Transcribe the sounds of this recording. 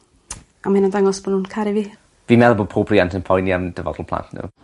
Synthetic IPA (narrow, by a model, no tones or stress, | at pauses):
amahɪnadaŋɔsb̥ɔnhuːnkʰaɾivi | viːmɛlˠboːd̚pʰoːbʰriantʰənpʰɔjniawd̥əvɔ̰dɔlˠpʰlˠa̰ntʰnṵ